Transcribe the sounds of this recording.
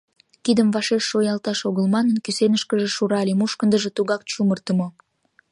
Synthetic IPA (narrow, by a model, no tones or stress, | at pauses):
kid̪əmvɑʃeʃːojɑlt̪ɑʃoɣəlmɑnənkysenəʃkəʒĕʃuɾɑlemuʃkənd̪əʒet̪uɣɑk̚t͡ɕumərt̪ə̆mo